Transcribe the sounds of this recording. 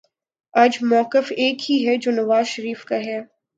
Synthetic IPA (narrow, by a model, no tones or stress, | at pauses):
ɐd͡ʒmɔːqɪfeːkhiɦɛd͡ʒoːnɐʋaːzʃɐɾiːfkaɦɛː